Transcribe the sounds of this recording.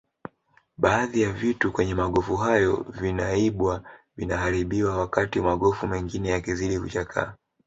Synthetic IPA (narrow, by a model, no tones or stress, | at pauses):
ɓaːðijavitukwɛɲɛmaɠɔfuɦajɔvinaiɓwavinahaɾiɓiwawakatimaɠɔfumɛŋɡinɛjakiziɗikut͡ʃakʰa̰ː